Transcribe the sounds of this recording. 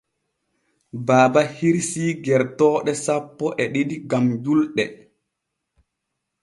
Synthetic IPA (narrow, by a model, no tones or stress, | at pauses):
baːbahiɾsiːɡɛɾtɔːɗɛsapːɔʔɛɗidiɡamd͡ʒulɗɛ